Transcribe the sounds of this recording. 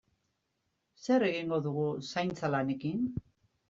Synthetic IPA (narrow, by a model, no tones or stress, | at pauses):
se̞ɾe̞ɣiŋɡo̞ðuɣ̞usajnt͡salane̞kin